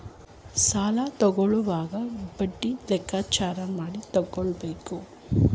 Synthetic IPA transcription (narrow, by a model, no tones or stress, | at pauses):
saːlɐt̪ɔɡɔɭuʋaːɡɐbɐɖːilɛkʰːaːt͡ʃaːɾɐmaːɽit̪ɔɡːɔɭbeːku